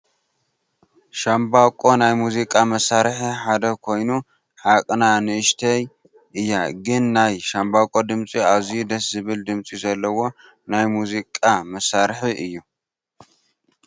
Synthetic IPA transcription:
ʃambakʼo̞najmuzikʼamɐsːaɾħiħad̪ɐkʰo̞jnu | ħakʼnanɨʔɨʃt̪ʰɐj | ʔɨjːaɡɨnːajʃambakʼo̞d̪ɨmt͡sʼiaβzijud̪ɐszɨβɨld̪ɨmt͡sʼizɐlːɐwo̞ | najmuzikʼamɐsːaɾħiʔɨjːu

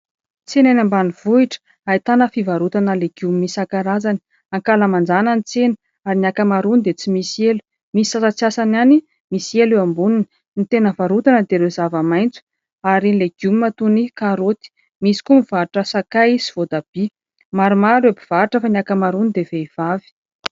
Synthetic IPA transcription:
t͡senanambanivuiʈ͡ʂə̥ | ait̪anəfivaɾut̪anəleɡ̥jumimisakaɾazani̥ | aŋkaləmand͡zananit͡senə̥ | aɾinakəmaɾunid̪et͡simisielu̥ | mii̥sasat͡siasanani | miselewambunini̥ | nit̪enəvaɾut̪anəd̪eɾezavamajnt͡su̥ | aɾileɡjumimat̪unikaɾot̪i̥ | misi̥kumiv̥aɾʈ͡ʂəsakajsiv̥od̪ab̥i | maɾumaɾebiv̥aɾʈ͡ʂəfaniakəmaɾunid̪eveiv̥avi̥

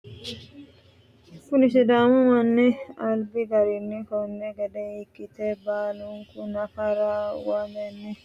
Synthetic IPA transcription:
fʊlɪʃɛd̪aːmʊmɐnːɛɐlbɪɡɐɾɪnːɛkɔnːɛɡɐd̪ɛjɪkːɪt̪ebaːlʊŋkʊnɐfɐɾawɐmɛnːɛ

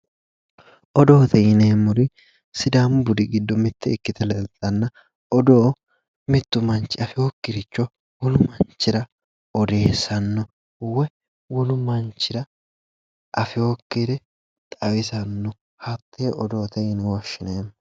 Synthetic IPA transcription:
ʔɔd̪oːt̪ɛjɪneːmːʊɾɪ | sɪd̪ambʊd̪ɪɡɪd̪ːɔmɪt̪ʰːɛɪkːɪt̪ʰɛlɛlt̪ʼːɐnːɐ | ɔd̪oː | mɪt̪ːʊmɐnt͡ʃːɪɐfɪokːɪɾɪt͡ʃːɔ | wɔlʊmɐnt͡ʃːɪɾɐ | ɔd̪e̞ːsɐnːɔ | wɛ | wɔlʊmɐnt͡ʃːɪɾɐ | ʔɐfɪokːiɾɛ | t̪ʼɐwɪsɐnːɔ | hɐt̪ʰːeʔɔd̪o̞ːt̪ʰɛjɪnɛwɔʃːɪneːm

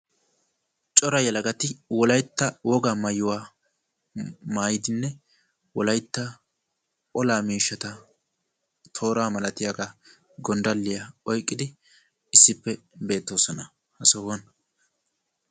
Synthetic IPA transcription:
t͡ʃʼɔɾɐjɐlɐɡɐt̪ɪwɔlɐjt̪ːɐwɔɡamɐjʊwaː | maːjɪd̪ɪnːɛ | wɔlɐjt̪ːɐ | ʔʼɔlaːmiːʃːɐt̪ɐ | t̪ʰo̞ːɾaːmɐlɐt̪ɪjaɡa | ɡɔnd̪ɐlːɪjɐɔjkʼːɪd̪ɪ | ɪsːɪpːɛbe̞ːt̪ːo̞ːsɔnɐ | hɐsɔwɔn

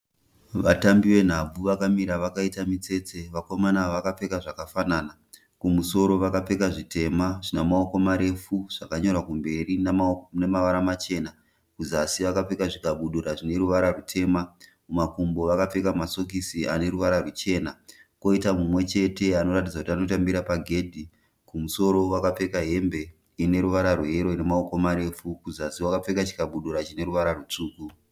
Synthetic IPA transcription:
ʋatambiʋe̞n̤ab͡vuʋakamiɾaʋakaitamit͡se̞t͡se̞ʋako̞manaʋakap͡fe̞kaʐakafanaːna | kumuso̞ɾo̞ʋakap͡fe̞kaʐite̞maʐinamaoko̞maɾe̞fuʐ̥akaɲo̞rakumbe̞rinemaʋaɾamat͡ʃe̞ːna | kuzasiʋakap͡fekaʐikaɓuɗuɾaʐine̞ɾuʋaɾarutʰe̞ma | mumakumbo̞ʋakap͡fe̞kamaso̞k̬isiane̞ɾuʋaɾarut͡ʃe̞ːnako̞itamumwe̞t͡ʃe̞te̞ano̞rat̬idd͡zakutiano̞tambiɾapaɡʱe̞dʱi | kumuso̞ɾo̞wakap͡fe̞kaɦe̞mbe̞ | ine̞ɾuʋaɾarweɦeɾo̞ine̞maoko̞maɾe̞fukuzasiwakap͡fe̞kat͡ʃi̥kaɓuɗuɾat͡ʃine̞ɾuʋaɾarut͡ʂuːku

